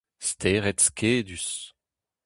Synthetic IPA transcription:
st̪ʰeːʁɛt̪skʰeːd̪ys

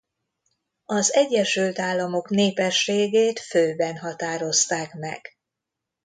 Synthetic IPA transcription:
ɒzɛɟːɛʃylt̪aːlːɒmo̞kneːpɛʃːeːɡeːt̪føːbɛnɦɒt̪aːɾo̞st̪aːkmɛ̰ɡ̥

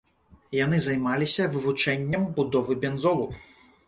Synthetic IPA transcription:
janɨzajmalʲisʲɐvɨvut͡ʂɛnʲːɐmbud̪ɔvɨbʲɛnzɔlˠu

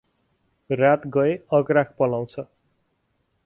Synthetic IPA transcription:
rat̪ɡʌeʌɡrak̚ʰpʌlaw̃t͡sʰʌ

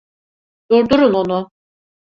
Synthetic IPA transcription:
d̪̥uɾd̪uɾunonu

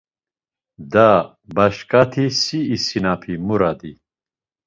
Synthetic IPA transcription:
d̪a | bɐɕkat̪ʰisiːsinapʰimuɾad̪i

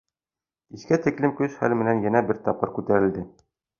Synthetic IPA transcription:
iskæt̪iklɘmkɵʃχæ̰lmɘ̆nænjænæbɘɾt̪ɒp̚qɤɾkʉt̪æɾɘ̆ld̪ɘ

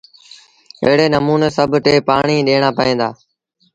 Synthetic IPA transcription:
ḛɦɽeːnəmuːneːsəbʱʈeːpaːɳiːɗeːɳ̃aːpəẽːnd̪aː

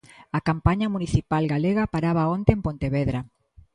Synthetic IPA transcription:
akampaɲɐmuniθipalɡaleɣapaɾaβaont̪eːmpont̪eβeðɾa

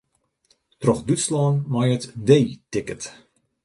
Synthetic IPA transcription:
trɔxdytslɔːnmajətdejtɪkət

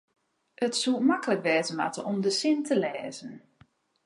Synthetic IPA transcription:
ʔətsumakələkʋɛːzənma̰təɔmdəsɪntʰəlɛːzən

